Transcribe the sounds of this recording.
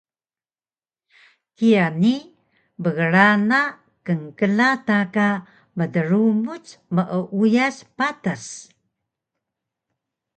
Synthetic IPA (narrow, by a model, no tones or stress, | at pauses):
kijani | bəɣəɾana | kəŋkəlataka | mədəɾumut͡sməʔəʔujaspatas